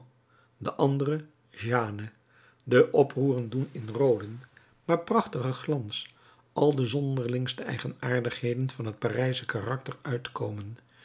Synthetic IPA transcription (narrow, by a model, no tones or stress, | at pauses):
dəʔɑndərə | ʒaːnə | dəʔɔpruːrəndunɪnrowdən | maːɹprɑχtəχəχlɑns | ʔɑlˠdəzɔndəɹlɪŋstəʔɛ̰jχənaːɹdəχɦejdənv̥ɑnɦət̚parɛjsəkarɑk̚təɹœɥtkowmən